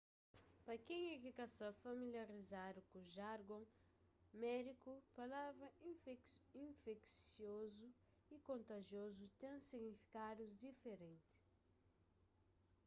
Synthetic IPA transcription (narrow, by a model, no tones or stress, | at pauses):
pɐkẽjɛkikasɐfɐmiljaɾizad̪ukuʒaɾɡõ | mɛd̪ikupalavɾɐiĩfeksjozu | ikõnt̪ɐʒjozut̪ẽsiɡnifi̥kad̪uzd̪ifeɾẽnt̪ɪ̥